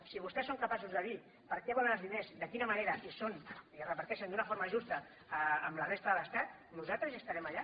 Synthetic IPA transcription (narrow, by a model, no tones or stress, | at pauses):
siβ̞ust̪ɛsːoŋkəpasuzðəði | pəɾkɛβɔlənəlzðinezd̪əkinəməneɾəʔisoniərəpɐɾt̪ɛʃənd̪unəfoɾməʒust̪ə | əmlərest̪əðələst̪at̪̚ | nuzat̪ɾəzəst̪əɾɛmaʎa